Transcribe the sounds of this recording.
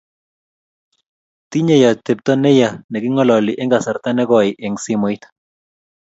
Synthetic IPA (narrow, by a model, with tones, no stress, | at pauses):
ti˦ɲe˦˨ja˨t̪e˨p̚tɔ˦nɛ˦ja˨nɛ˨kɪ˦ŋɔ˦lɔ˨li˨ʔɛ˦ŋɡa˨sa˨ɾt̪a˦nɛ˦ɡɔ˨ɪ˨ʔɪ˨ŋsi˦mɔ˨ɪ˦t̪